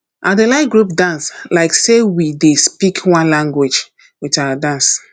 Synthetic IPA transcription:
ʔãdelaɪɡɹup̚dãnslaɪksewidespikʰwãnlãŋɡwed͡ʒ | witawadãns

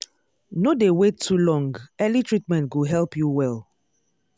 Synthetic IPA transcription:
nodewetʰːulɔ̃ŋɡɛlitɹitmɛ̃ntɡuɦɛlpjuwɛl

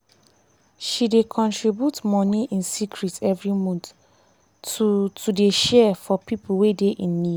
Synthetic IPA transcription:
ʃidekʰɔ̃ntɹibjutmɔniʔĩnsikʰɹitɛvɹimɔ̃nt | utʰudeʃɛfɔpipuwedeʔĩnːi

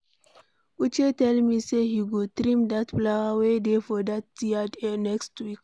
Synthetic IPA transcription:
ut͡ʃetɛlmisehiɡotɾĩmd̪atplawawedefɔdat̚ːiadnɛkstwik

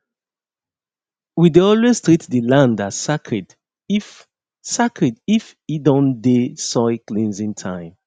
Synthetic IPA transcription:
wideɔlwestɹitdilãndḁsakʰɹid | sakʰɹidif | idɔ̃ndesɔklĩnzĩntʰãɪ̃m

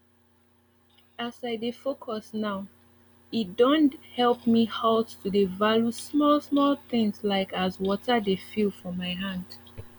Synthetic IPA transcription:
asaɪdefokʰɔsnaʊ | it̚dɔ̃nthɛlˠpmihalttʰudevaljusmɔlsmɔlˠθɪ̃ŋslaɪkazwɔtʰədefilfɔmaɪɦãnd̥

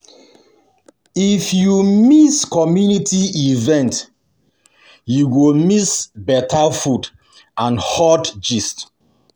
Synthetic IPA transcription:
ifjumiskɔmjunitʰiivɛ̃nt | juwilmisbɛtʰafud | ãnhɔtd͡ʒist

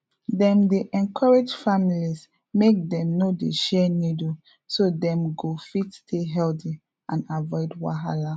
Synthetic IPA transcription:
dɛ̃mdeʔɛ̃nkʰɔɹed͡ʒfamilis | mek̚dɛ̃mnodeʃɛnidu | sodɛ̃mɡofitstʰeɦɛlti | ãnavɔɪdwa̰ɦala

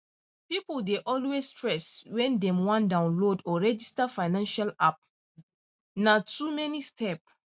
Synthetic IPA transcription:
pipoldeʔɔlwestɹɛswɛ̃ndɛ̃mwãndãʊ̃nlodɔɹɛd͡ʒistafaɪnãnʃalap̚ | natumɛnistʰɛp̚

